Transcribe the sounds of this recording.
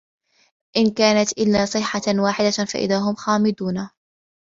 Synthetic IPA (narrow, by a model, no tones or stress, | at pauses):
ʔɪnkaːnat̪ʔɪlːaːsˤɨħːawaːħɪd̪afa̰ʔɪ̰ðaːɦʊmxaːmɪd̪uːna